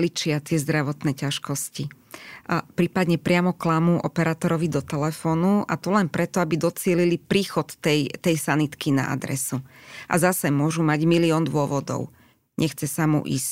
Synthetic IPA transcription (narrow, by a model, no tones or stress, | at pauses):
lit͡ʃɪat̪ɪɛzd̪ɾaʋɔt̪nɛːcaʃkɔsci | pɾiːpad̪ɲɛpɾɪamɔklamuʔɔ̰pɛɾaːt̪ɔɾɔʋid̪ɔt̪ɛlɛfɔːnua̰t̪ɔlɛnpɾɛt̪ɔabid̪ɔt͡sɪɛlilipɾiːxɔt̪ːɛjt̪ɛjsanit̪kina̰ʔa̰d̪ɾɛ̰suʔa̰zasɛmʊɔʒumaɟmiliɔːnd̪ʊɔʋɔd̪ɔ̰ʊ | ɲʔɛxt͡sɛsamṵʔḭːsc